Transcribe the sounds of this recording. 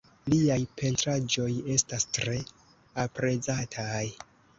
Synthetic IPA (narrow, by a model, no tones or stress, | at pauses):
liajpʰe̞ntɾad͡ʒo̞je̞stastɾe̞ | apɾe̞d͡zatʰaj